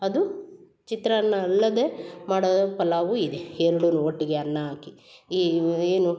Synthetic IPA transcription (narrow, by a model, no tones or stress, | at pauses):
ɐd̪u | t͡ʃit̪ɾɐɐnːɐːlːɐd̪e̞maːɽoːd̪ɐpɐlaːʋuid̪eɛɾɐɽunuoʈːiɡeɐnːɐaːkiieːnu